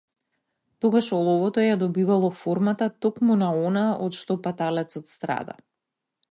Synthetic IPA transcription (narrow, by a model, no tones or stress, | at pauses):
t̪oɡaʃɔlˠɔvɔt̪ɔjad̪ɔbivalˠɔfoɾmat̪at̪okmunaɔnaɔt̪ʃt̪ɔpat̪alɛt̪sɔt̪st̪ɾa̰d̪a̰